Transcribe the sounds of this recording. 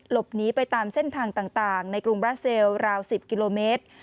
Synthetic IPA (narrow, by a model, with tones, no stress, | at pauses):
lo˨˩p̚niː˦˥pa˧jt̪aː˧mse˥˩nt̪ʰaː˧ŋt̪aː˨˩ŋt̪aː˨˩ŋna˧jkɾu˧ŋbɾaː˦˥si˧wɾaː˧wsi˨˩p̚ki˧loː˧meː˦˥t̪̚